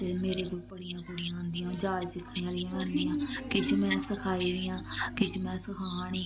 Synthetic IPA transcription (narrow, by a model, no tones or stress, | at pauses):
emeːɾeːd̪oːpəɽɪjãːpəɽijãːɦʊ̃nd̪ɪjãːd͡ʒaːd͡ʒsɪkʰneːãːlijãːʋɛ̃ːnd̪ijãːkɪt͡ʃʰmɛ̃ːsəkʰaːiːd̪ɪjãːkɪt͡ʃʰmɛ̃ːsəkʰãːɽiː